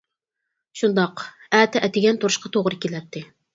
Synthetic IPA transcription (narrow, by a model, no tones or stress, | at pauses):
ʃund̪ɑq | æːt̪ɛʔɛt̪ɪɡʲɛnt̪oɾʊʃqɑt̪ʰoʁɾɨkʲilɛt̪ːɪ